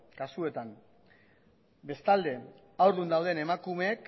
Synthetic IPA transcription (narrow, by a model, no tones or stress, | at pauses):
kasue̞t̪an | be̞st̪ald̪e̞ | awɾðund̪awð̞e̞ne̞makume̞ːk